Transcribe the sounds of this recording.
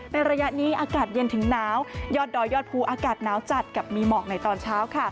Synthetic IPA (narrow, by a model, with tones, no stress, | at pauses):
na˧jɾa˧ja˦˥ʔniː˦˥ʔaː˧kaː˨˩t̪̚je˧nt̪ʰɯ˩˦ŋnaː˦˥wjɔː˥˩t̪̚dɔː˧jɔː˥˩t̪̚pʰuː˧ʔaː˧kaː˨˩t̪̚naː˦˥wt͡ɕa˨˩t̪̚ka˨˩p̚miː˧mɔː˨˩k̚na˧jt̪ɔː˧nt͡ɕʰaː˦˥wkʰa˥˩